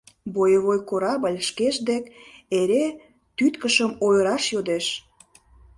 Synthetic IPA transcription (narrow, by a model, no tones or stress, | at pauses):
bojəβojkoɾɑbəlʲʃkeʃd̪ekeɾe | t̪yt̪kəʃəmojəɾɑʃjod̪eʃ